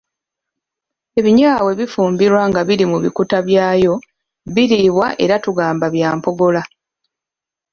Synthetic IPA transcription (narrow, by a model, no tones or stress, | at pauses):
e̞βiɲaːwe̞βifuːmbiɾwaŋɡaβiɾimuβikutaβjaːjo̞ | βiɾiβwaʔe̞ɾatuɡaːmbaβjaːmpo̞ɡo̞la